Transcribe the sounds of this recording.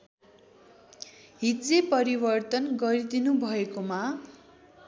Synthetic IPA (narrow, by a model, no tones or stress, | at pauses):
ɦit̪d͡zepʌɾibʌrt̪ʌnɡʌɾid̪inubʱʌekoma